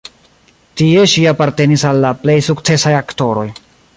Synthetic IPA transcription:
tie̞ʃiapaɾte̞nisalːaple̞jsukt͡se̞sajakto̞ɾo̞j

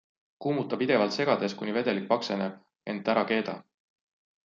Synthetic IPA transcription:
kuːmut̪ːˑɑpid̪̥e̞vɑlt̪se̞ɡ̥ɑd̪̥e̞skunive̞d̪̥e̞lik̚pɑkse̞neb̥̚ | e̞nd̪ˑæɾɑke̞ːd̪̥ɑ

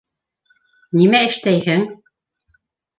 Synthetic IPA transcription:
nimæɘ̆ʃt̪æjhɘŋ

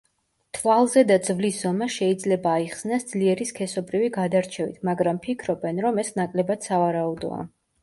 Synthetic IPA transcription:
t̪ʰvalˠzɛd̪ad̪zvlisz̥ɔmaʃɛid̪zlɛbaːiχsnasd̪z̥liɛɾiskʰɛsɔbɾiviɡad̪aɾt͡ʃʰɛvḭt̪ʰmaɡɾampʰikʰɾɔbɛnɾɔmɛsnakʼlɛbad̪̥savaɾaud̪ɔ̰a̰

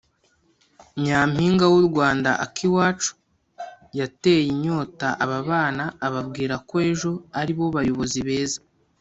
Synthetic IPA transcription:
mɲamhiːŋɡawuɾɡwaːnda̰ʔa̰kʰiwaːt͡ʃu̥ | jate̞jiɲo̞ːtaʔaβaβaːnaːβabɡiːɾakoe̞ʒo̞aɾiβo̞βajo̞βo̞ziβe̞ːza

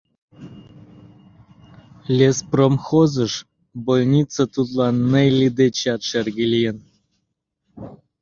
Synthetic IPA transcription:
lʲespromxozə̆ʃ | bolʲnʲit͡sːət̪ut̪lˠɑnːejlʲid̪et͡ɕɑt̪ʃerɡʲelʲijən

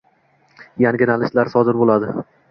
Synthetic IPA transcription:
jaŋɡʲɪnalɪʃlaɾsɒd̪ɪɾbolˠad̪ɪ

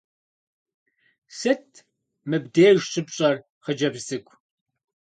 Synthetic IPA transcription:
sɨt̚ʰ | mɨbdeːʒɕʰʼɨpɕʼɐr | χəd͡ʒɐbzɨkʷʰʼ

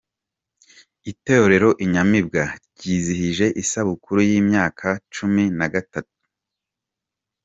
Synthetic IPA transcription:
iteoɾe̞ɾo̞ʔiɲamibɡaɾɟiːzihiʒe̞ʔisaβukuɾujiːmɲaːkʰat͡ʃuminaɡatatu̥

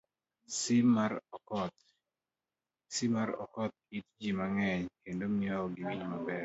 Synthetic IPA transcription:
sɪmaɾɔkɔt̪ | simaɾɔ̰kɔt̪̚it̚d͡ʒimaŋɛɲkendomɪɔɔɡɪwiɲmabɛ

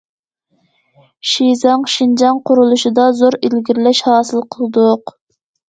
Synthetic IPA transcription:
ʃizɑŋʃind͡ʒɑŋqʰʊɾulˠuʃid̪ɑzoɾilɡʲiɾɪlɛʃhɑːsɨlˠqʰəlˠɨd̪ʊq

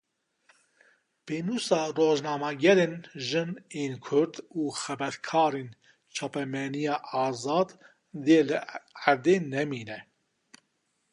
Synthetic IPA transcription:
peːnuːsɑːroːʒnɑːmɑːɡɛɾeːnʒɨneːnkʰʊɾd̪uːxɛbɛɾkʰɑːɾeːn | t͡ʃʰɑːpɛmɛnijɑːʔɑːzɑːd̪ | d̪eːlɨaɾd̪eːnɛmiːnɛ

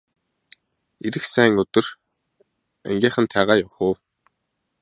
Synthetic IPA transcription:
eɾɘ̆ksæːŋɵt̪ɵ̆r | æ̰ŋɡʲiːχə̆nt̪ʰæːʁaːjawχʊː

